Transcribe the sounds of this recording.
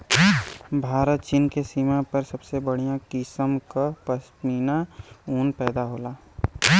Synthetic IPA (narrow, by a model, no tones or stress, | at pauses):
bʱaːɾət̪t͡ʃinkesimapəɾsɐbsebəɽ̤ijãkɪsəmkapəsʈniːnauːnpɛːd̪aɦoːlaː